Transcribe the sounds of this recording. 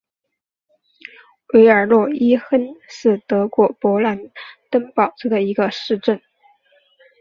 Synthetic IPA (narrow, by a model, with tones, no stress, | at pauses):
we˧˥ɪə˞˨˩lwɔ˥˩i˥xə˥nʂɻ̩˥˩t̪ɤ˧˥kwɔ˧˥pwɔ˧˥la˧˥nt̪ə˥ŋpɑ˨˩ʊʈ͡ʂ̩˥d̪ə˨i˧˥ɡə˧ʂɻ̩˥˧ʈ͡ʂə˥˩n